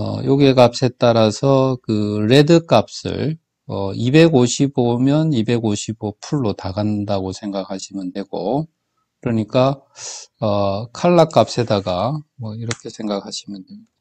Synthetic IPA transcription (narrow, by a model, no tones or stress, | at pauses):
ʌ̰joɡiekap̚s͈e̞t͈aɾasʰʌkɯɾe̞dɯk͈ap̚s͈ɯ̰ɭ | ʌibe̞ɡoɕʰibomjʌnibe̞ɡoɕʰibopʰuɭːotaɡandaɡosʰe̞ŋɡak̚haɕʰimɯndeɡ̥o | kɯɾʌɲik͈a | ʌkʰaɭːak͈ap̚s͈e̞daɡamʌiɾʌkʰe̞sʰe̞ŋɡak̚ʰhaɕʰimɯne